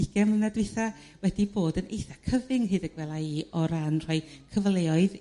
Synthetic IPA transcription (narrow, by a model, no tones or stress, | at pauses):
ɪɡ̥ɛmənadwejθa | wɛdiboːdənʔḛjθakʰəvɪŋɦɨːdəɡ̥wɛlˠaiːɔɾanr̥ɔjkʰəvlˠeːɔɨð